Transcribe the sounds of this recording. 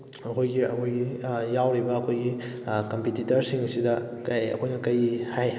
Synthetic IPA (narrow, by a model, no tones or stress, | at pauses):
ɐkʰojɡiɐkʰojɡijawɾibɐːkʰojɡi | kɐmpititɐɾsiŋsidɐ | kɐjɐ̰kʰojnɐkɐjihaj